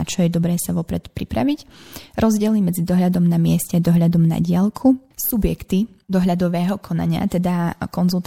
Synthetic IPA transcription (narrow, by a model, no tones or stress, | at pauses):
at͡ʃɔjɛd̪ɔbɾɛːsaʋɔpɾɛt̪pɾipɾaʋicɾʔɔzɟɪɛlimɛd͡zid̪ɔɦʎad̪ɔmnamɪɛscɛad̪ɔɦʎad̪ɔmna̰ɟɪalkʰusubjɛkt̪id̪ɔɦʎad̪ɔʋɛːɦɔkʰɔna̰ɲɪa̰t̪ɛd̪akɔnzulˠt̪